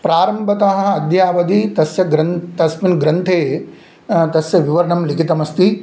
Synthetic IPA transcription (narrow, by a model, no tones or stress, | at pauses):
pɾaːɾɐmbʱɐt̪ɐɦɐɐd̪jaːʋɐd̪it̪ɐsjɐɡɾɐnt̪ɐsminɡɾɐnt̪ʰeː | t̪ɐsjɐʋiʋɐɾɳɐmlikʰit̪ɐmɐst̪i